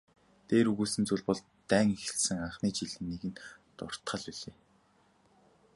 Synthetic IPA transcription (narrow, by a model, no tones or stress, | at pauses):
t̪eːɾuɣuːsɘ̆nt͡suɮʲpɔɮ | t̪æːŋixɘ̆ɬsɘ̆ŋaɴχniːt͡ɕiɮɘ̆nːiːɣɘ̆nt̪ʊ̰r̥t̪χə̆ɮpiɮeː